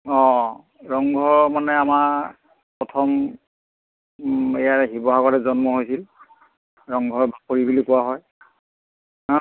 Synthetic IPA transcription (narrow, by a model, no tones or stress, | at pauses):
ɔ̃ | ɹɔŋɡʱɔɹmanɛamaɹ | pɹɔtʰɔm | ejaɹɦibɔɦakɔɹɛzɔnmɔɦojsil | ɹɔŋɡʱɔɹbapoɹibulikʊwaɦɔj